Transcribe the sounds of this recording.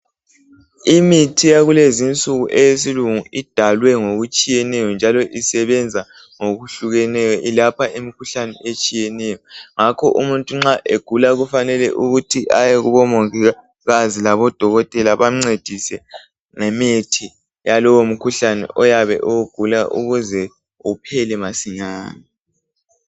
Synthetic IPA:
imitʰijaɣulezint͡sʼuɣuʔejesiluŋuid̥ʱalwɛŋoɣut͡ʃʼijɛnɛjɔnd͡ʒʱalɔʔisɛβɛnd͡zʱa | ŋoɣuɬuɣɛnɛjɔʔilapʰaʔimikʰuɬanɛʔet͡ʃʼijɛnɛjɔŋakʰɔʔumuntʼuŋ͡ǁaʔeɡ̥ʱulaɣufanɛlɛ̰ʔuɣutʰiʔajɛɣuβɔmoŋi | ɣazilaβɔd̥ʱɔɣɔtʼɛlaβaŋ͡ǀed̥ʱisɛ | ŋɛmetʰi | jalɔwom̩kʰuɬanɛ̰ʔɔjaβɛ̰ʔɔwɡ̥ʱulaʔṵɣuzɛ | upʰɛlɛmasiɲaːni

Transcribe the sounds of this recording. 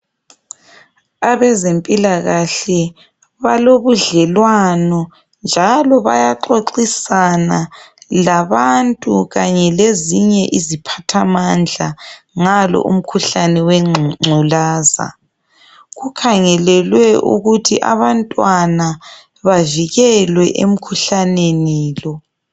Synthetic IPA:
aβɛzempʼilaɣaɬɛ | βaloβuɮɛlwanɔ | nd͡ʒʱalɔβajaǃoǃisanalaβantʼuɣaɲɛleziɲɛʔizipʰatʰamand͡ɮʱa | ŋalɔ̰ʔṵm̩kʰuɬanɛwɛŋ͡ǀʱulaːza̰ | ɣukʰaŋɛlɛlwɛʔṵɣutʰiʔa̰βantʼwana | βaviɣɛlwɛʔḛm̩kʰuɬaneniːlɔ

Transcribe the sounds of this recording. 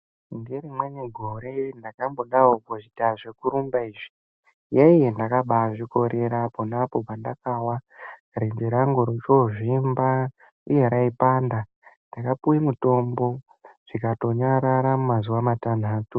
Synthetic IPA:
nderimweneɡʱoɾe̞ndakambo̞ɗaokoʐidaʐekuɾumbaiːʐi̥ | jaijendakaɓaʐiko̞ɾʔe̞ɾaponapo̞pandakawa | ɾendeɾaŋɡoɾot͡ʃoʐimba | ujeɾaipaːnda | ndakapuimuto̞mbo̞ | ʐ̥ikato̞ɲaɾaɾamumazuʋamatan̤aːtu

